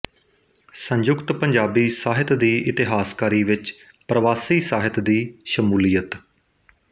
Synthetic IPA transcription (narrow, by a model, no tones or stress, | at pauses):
səɲd͡ʒʊkt̪pəɲd͡ʒaːbiːsaːɦɪt̪d̪iːʔɪt̪ɪɦaːskaːɾiːʋɪt͡ʃ | pɾəʋaːsiːsaːɦɪt̪d̪iːʃəmuːlijət̪